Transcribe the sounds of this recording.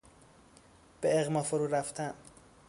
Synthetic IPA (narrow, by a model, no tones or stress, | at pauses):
b̥eeɣmɒːfoɾuːɾæft̪ʰæn